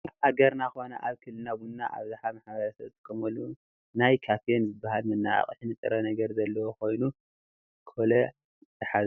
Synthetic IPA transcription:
ʔaɡɐɾnakona̰ʔaβkʰɨlːɨnabunːaʔa̰βzaħamaħbɐɾɐsɐβt̪ɨ̥kʰɐmolːu | najkʰafijonzɨbːahalmɨnːa̰a̰χʼħnɨt̪ʼɨ̰ɾɐnɐɡɐɾzɐlːɐwokʰo̞jnu | kʰɨolɐ | ɨħaz

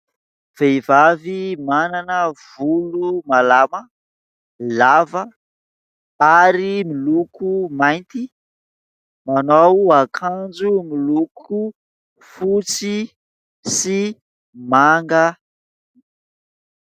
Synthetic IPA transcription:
v̥ejvavimananəv̥ulumalamə | lavə | aɾimilukumajnt̪i | manowakʰand͡zumilukʰu | fut͡si | si | maŋɡə

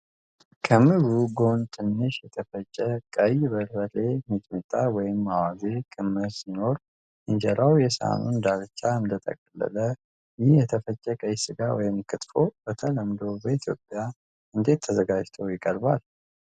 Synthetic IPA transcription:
kʰəmɨɡuɡo̞nt̪ʰɨnːɨʃjɛt̪ʰəfət͡ʃʼːɛkʼəjbəɾbəle̞mɨt̪ʼmɨt̪ʼawɔjɪmːawaze̞kʰʼɨmːəsino̞ɾ | ʔɨɲd͡ʒɛɾawjɛsa̰nund̪aɾt͡ʃːaɨnd̪ət̪ʼə̰kʼlːə̰lə | jɪhjɛt̪ʰəfət͡ʃʼːɛkʼəjsɨɡawɔ̰jɪmkʰɨt̪ʼfo̞bət̪ʰələmd̪o̞bəit̪ʰjo̞̰pʼːja | ɨnd̪e̞t̪ʰːəzəɡad͡ʒt̪ʰəwjɪkʼəɾbal

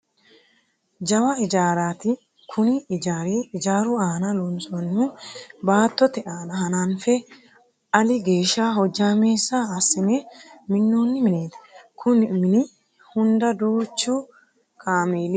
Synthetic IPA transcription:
d͡ʒɐwɐɪd͡ʒaːɾaːt̪ɪ | kʰʊnɪɪd͡ʒaːɾeːɪd͡ʒaːɾʊaːnɐlɔnsʼɔnːubaːt̪ːɔt̪ɛʔaːnɐɦɐnaːnfɛ | ɐlɪɡe̞ːʃaːɦɔd͡ʒːaːmeːsːaːsːɪnɛmɪnːuːnːɪmɪneːt̪ɐ̥kʰʊnmɪnɪ | hʊnd̪ɐd̪uːt͡ʃːu | kʼaːmeːl

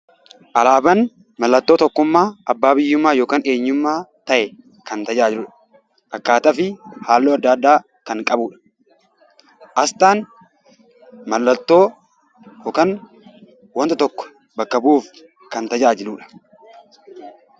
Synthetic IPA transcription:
ʔɐlaːbɐn | mɐlːɐt̪ːo̞ːt̪ɔkːʊmːaːɐbːaːbɪjːʊmːaːjoːkaːne̞ːɲːʊmːaːt̪ɐʔɛ | kɐnt̪ɐd͡ʒaːd͡ʒɪluːᶑɐ̥ | ʔɐkːaːt̪ɐfɪhaːlːoːɐd̪ːaːd̪ːaː | kɐŋkʼɐbuːᶑɐ̥ | ʔɐst̪aːn | mɐlːɐt̪ːo̞ː | joːkɐn | wɐnt̪ɐt̪ɔkːɔ̥ | bɐkːɐbuːf | kɐnt̪ɐd͡ʒaːd͡ʒɪluːᶑɐ̥

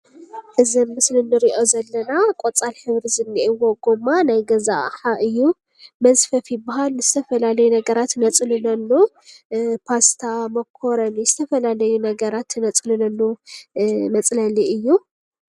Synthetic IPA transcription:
ʔɨzɐmːɨslɨnːɨɾiʔo̞zɐlːɐnakʼot͡sʼalħɨβɾizɨnːiʔewoɡomanajɡɐza̰ʔħaʔɨjːu | mɐzfɐfibɐɦalnɨz̥ɨt̪ʰɐfɐlalɐjunɐɡɐɾat̪nɐt͡sʼlunɐnːu | pʰast̪ʰamɐkʰːoɾɐnizɨt̪ʰɐfɐlalɐjunɐɡɐɾat̪nɐt͡sʼlunɐnːu | mɐt͡sʼlɐliɨjːu

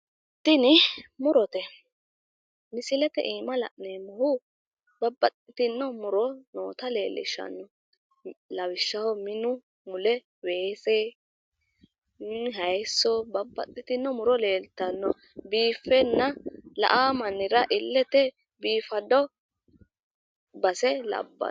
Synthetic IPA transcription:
t̪ːɪnɪmʊɾɔt̪ɛ | mɪsɪlɛt̪ɛ̰ʔiːmɐlɐ̰ʔneːmʊhʊ | bɐbːɐt̪ʼːɪt̪ɪnːɔmʊɾɔno̰ːt̪ɐle̞ːlːɪ̰ʃɐ̰nːɔ | lɐwɪʃːɐhɔmɪnʊ | mʊlɛ | weːse | ɦɐjsːɔbɐbːɐ̰t̪ʼːɪt̪ɪnːɔmʊɾɔle̞ːlt̪ːɐnːɔ | biːfːɛnːɐlɐ̰ʔaːmɐnːɪɾɐʔɪlːɛt̪ɛ | biːfɐd̪ɔ | bɐsɛlɐ̰bːɐ̰

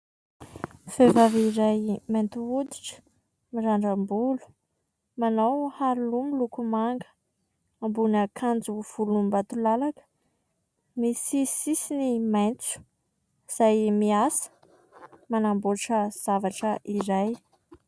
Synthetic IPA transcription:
fevaviɾajmajnt̪uud̪iʈ͡ʂə̥ | miɾaɳɖ͡ʐambulu̥ | manawhaɾulumilukumaŋɡə̥ | ambunəkʰand͡zuv̥ulumbat̪ulalakə̥ | misisisinimajnt͡su̥ | z̥ajmiasə̥ | manamboʈ͡ʂəz̥avaʈ͡ʂəʔiɾaj

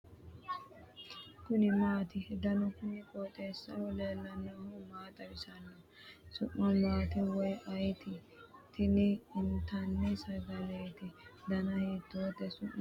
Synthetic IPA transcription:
kʊnɪmaːt̪ɪhɛd̪ɐnɔkʊnɪkʼot̪ʼeːsːɐ̰wɔleːlːɐnːɐhʊmaːt̪ʼɐbɪsɐnːɔ | sʊ̰ʔːɔmaːt̪ɛwɔjʔɐjt̪ɪ | t̪ɪnɪɪnt̪ɐnːɛsɐɡɐleːt̪ɪd̪ɐnɐheːt̪ːoːt̪ɛsʊʔ

